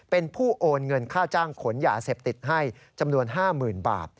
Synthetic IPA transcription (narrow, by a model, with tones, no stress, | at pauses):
pe˧npʰuː˥˩ʔoː˧nŋɤ˧nkʰaː˥˩wt͡ɕaː˥˩ŋkʰo˩˦njaː˧seː˨˩p̚t̪i˨˩t̪̚ɦa˥˩j | t͡ɕa˧mnu˧ənɦaː˥˩mɯː˨˩nba̰ː˨˩t̪̚